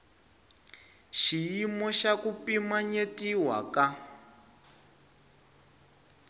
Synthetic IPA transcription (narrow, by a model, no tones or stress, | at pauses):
ʃijimɔʃakupimaɲetiwa̰ka